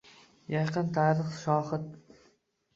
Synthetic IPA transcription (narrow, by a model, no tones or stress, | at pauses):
jɑqʰɨnt̪ʰaɾɨχʃɒːχɨt̪̚